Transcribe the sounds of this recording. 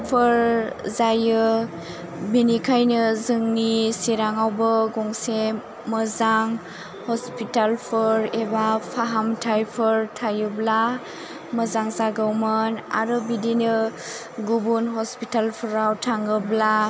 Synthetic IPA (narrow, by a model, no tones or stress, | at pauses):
pʰɯɾzajɯ | binikʰajnɯzɯŋnisiɾaŋawbɯɡɔŋse | mɯzaŋ | hɔspitalpʰɯɾebapʰaɦamtʰajpʰɯɾtʰajɯbla | məzaŋzaɡɯwmɯna̰ɾɯbidinɯ | ɡubunɦɔspitalpʰɯɾawtʰaŋɯbla